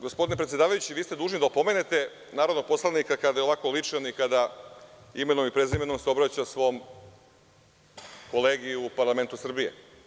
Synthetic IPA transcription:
ɡospod̪inepɾet̪sje̞d̪aːʋajut͡ɕiʋiːst̪e̞d̪uːʒnid̪aopo̞me̞ne̞t̪e̞ | naːɾod̪nopo̞slˠanikakad̪ajeoʋako̞lit͡ʂeonikad̪a | ime̞nomipɾezime̞no̞mseo̞bɾat͡ɕasʋo̞om | ko̞le̞ːɡiupaɾlˠame̞nt̪usr̩bie̞̰

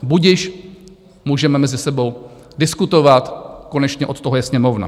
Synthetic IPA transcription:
buɟɪʃ | muːʒɛmɛmɛzɪsɛbo̞w | dɪskut̪o̞vat̪ko̞nɛt͡ʃɲɛʔo̞t̪t̪ːoɦojɛsɲɛmo̞vna̰

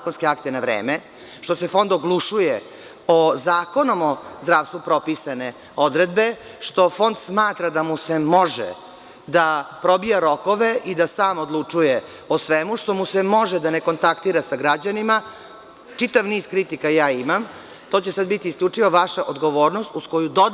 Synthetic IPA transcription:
akonskeakt̪enaʋɾḛːme | ʃt̪o̞se̞fo̞nd̪oɡlˠuʂuje | ozaːko̞no̞mozd̪ɾaːʋst̪ʋupɾo̞pisane̞ | od̪ɾed̪be̞ | ʂt̪o̞fo̞nd̪smaːt̪ɾad̪amusemo̞ʒɛ̰ | d̪apɾo̞bijaɾo̞ko̞ʋe̞ʔid̪asaːmod̪lˠut͡ʂuje | osʋemuʂt̪o̞musemo̞ʒɛd̪aneko̞nt̪akt̪iːɾasaɡɾad͡ʑanima | t͡ʂit̪aʋniːz̥kɾit̪ikajaːimam | t̪ot͡ɕe̞sad̪̚bit̪iːskʎʲut͡ʂiʋoʋaʃaʔod̪ɡo̞ʋo̞ːɾnost̪usko̞jud̪od̪

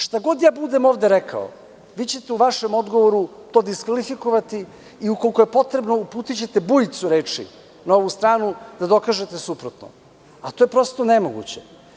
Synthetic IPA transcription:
ʃt̪aɡo̞d̪jaːbud̪emo̞vd̪eɾekʰa̰o̰ | ʋiːt͡ɕet̪euʋaʃemo̞d̪ɡoʋoɾut̪o̞ːd̪iskʋalifikoʋat̪i | iukolikojepo̞t̪ɾebno̞upuːt̪it͡ɕe̞t̪ebujt̪suɾeːt͡ʂḭ | nao̞ʋust̪ɾaːnud̪ad̪o̞kaːʒe̞t̪esupɾot̪no̰ | at̪oːjepɾo̞st̪onemoɡṵt͡ɕe

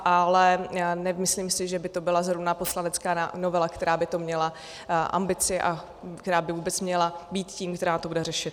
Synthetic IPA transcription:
ʔalɛnɛmɪslimsɪʒɛbɪt̪o̞bɪlazɦɾovnapo̞slanɛt͡skaːa̰no̞vɛlakt̪ɛɾaːbɪt̪o̞mɲɛla | ʔa̰mbɪt͡sɪʔa̰ | kt̪ɛɾaːbɪvuːbɛt͡smɲɛlabiːt̪ciːmkt̪ɛɾaːt̪obudɛrɛʃɪt̪

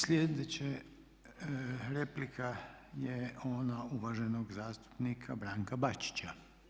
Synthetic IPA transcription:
slʲjed̪et͡ʃe | ɾeplikʰajeoːnauʋaʒenoɡzaːst̪u̥pnikʰabɾaːŋkabat͡ʃi̥t͡ʃa

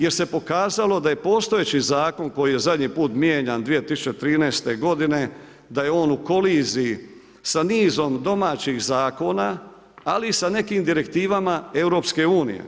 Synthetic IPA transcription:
je̞ɾse̞po̞kaːzalo̞d̪aje̞po̞ːst̪o̞jet͡ɕizaːko̞nko̞jije̞zad̪ɲipuːt̪mjeːɲand̪ʋije̞t̪isut͡ɕe̞t̪ɾiːnɛːst̪e̞ɡo̞d̪ine̞ | d̪ajeo̞ːnuko̞liːziː | saniːzo̞md̪o̞maːt͡ɕixzaːko̞naː | liːsane̞kimd̪iɾe̞kt̪iːʋamae̞wɾo̞pske̞uːnḭjḛ

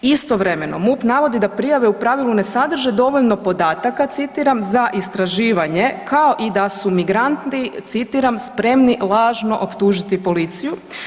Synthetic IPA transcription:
ist̪o̞ʋɾe̞me̞no̞̰mupnaʋo̞d̪id̪apɾijaʋe̞upɾaʋilˠune̞sad̪r̩ʒed̪o̞ʋo̞ʎno̞po̞d̪aːt̪akat̪sit̪iɾamzaʔist̪ɾaʒiːʋaɲe̞kʰao̞ʔid̪asumiɡɾant̪it̪sit̪iːɾamspɾe̞mnilˠaːʒno̞ʔopt̪uːʒit̪ipo̞lit̪siju

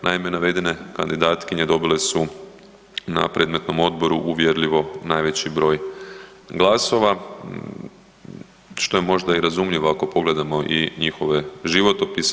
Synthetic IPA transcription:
naimenaʋe̞d̪ine̞kand̪id̪aːt̪kiɲe̞d̪o̞bile̞su | na̰pɾe̞d̪me̞t̪no̞mo̞d̪̚bo̞ɾuʔuʋjeɾʎiʋo̞naːjʋe̞t͡ɕibɾo̞ːj | ɡlˠaso̞ʋa | ʃt̪o̞je̞mo̞ʒd̪aiɾazumʎiʋo̞ako̞po̞ɡle̞d̪amo̞ʔiɲixo̞ʋe̞ʒiʋo̞t̪opis

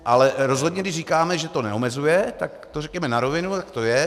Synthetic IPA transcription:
ʔalɛɾo̞zɦod̪ɲɛɡdɪʃriːkaːmɛʒɛt̪o̞nɛ̰omɛzujɛt̪akt̪orɛkɲɛmɛnaɾo̞vɪnut̪akt̪ojɛ

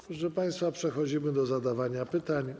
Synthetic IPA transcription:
pɾɔʐɛpaj̃st̪fapʂɛxɔd͡ʑimɘd̪ɔzad̪avaɲapɘt̪aɲ

